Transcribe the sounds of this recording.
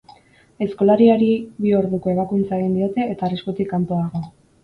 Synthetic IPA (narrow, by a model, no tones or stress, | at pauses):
e̞sko̞laɾiaɾiβioɾðuko̞e̞β̞akunt͡saeɣind̪io̞t̪e̞ʔːt̪aːriskut̪ikːant̪oaɣo̞